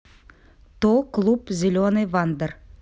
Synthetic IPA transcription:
t̪oklˠupzʲɪlʲonɨvand̪ər

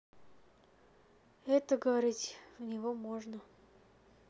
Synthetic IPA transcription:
ɛt̪əɡəvɐɾʲitʲvnʲɪvomoʐnə

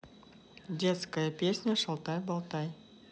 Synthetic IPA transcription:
dʲet̪skəjəpʲesʲnʲəʂɐlˠt̪ɑjbɑlˠt̪ɑj

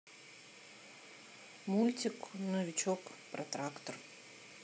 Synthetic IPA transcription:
mulʲtʲɪknɔvʲɪt͡ɕokpɾɐt̪ɾakt̪ər

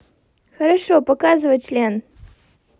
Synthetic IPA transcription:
xəɾɐʂopɐkazɨvət͡ʃlʲen

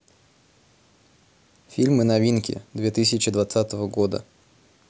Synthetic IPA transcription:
fʲilʲmɨnɐvʲinkʲɪ̰d̪vʲet̪ɨsʲɪt͡ɕɪd̪vɐt̪sat̪əvəɡo̞d̪ə̰

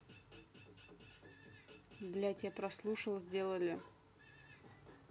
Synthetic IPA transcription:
blʲætʲjapɾɐslˠuʂəlˠzʲdʲelˠəlʲɪ

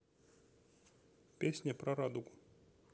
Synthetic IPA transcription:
pʲesʲnʲɐpɾɐɾad̪ukʊ̥

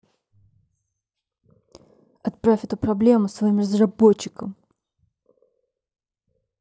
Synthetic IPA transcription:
ɐt̪̚pɾafʲɛt̪upɾɐblʲe̞mʊsvɐimrəzrɐbot͡ɕːɪkəm

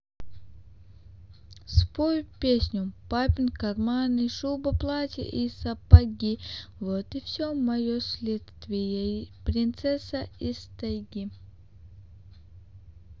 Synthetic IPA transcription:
spojʲpʲesʲnʲʊpapʲɪnkɐrmanɨʃubɐplˠatʲḭʔisɐpɐɡʲivot̪ifsʲomɐjosʲlʲet̪st̪vʲɪjəpɾʲɪnt̪sɛsɐist̪ɐjɡʲi

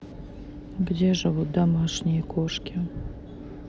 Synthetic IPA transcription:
ɡdʲeʐɨvut̪̚d̪ɐmɑʂnʲɪjəkoʂkʲi

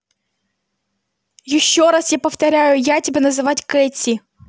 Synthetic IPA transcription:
jɪʃʲːɔɾɑsjapɐwt̪ɐɾʲajʊjatʲibʲɛnɐzɪʋatʲkɛt͡sʲi

